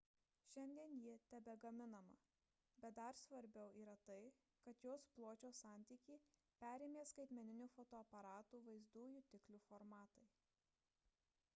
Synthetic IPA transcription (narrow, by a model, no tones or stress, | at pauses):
ʃʲɛnʲd̪ʲiɛnjit̪ʲɛbʲɛɡɐmʲɪnɐmɐ̰ | bʲɛt̪̚d̪ɐɾsʋɐɾʲbʲɛʊʔiːɾɐt̪ɐɪ | kɐt̪joːsplˠoːt͡ʃʲoːsɑːˑnʲt̪ʲiːkʲiː | pʲæːɾʲeːmʲeːskɐɪt̪ʲmʲɛnʲɪnʲufɔt̪oːɐpɐɾɑːt̪uːʋɐɪzd̪uːjuːt̪ʲɪklʲuːfoɾmɑːt̪ɐɪ